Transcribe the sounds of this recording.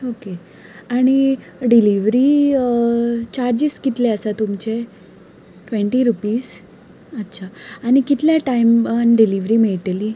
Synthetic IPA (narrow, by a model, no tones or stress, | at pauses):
oke | aɽ̃i | ɖiliʋɾi | t͡ɕaɾd͡ʑiskit̪leəsat̪umt͡ɕe | ʈʋeɳʈiɾupiːs | ətːɕʰaaɽ̃ikit̪ljaʈaimanɖiliʋɾimeɭʈ̪eliː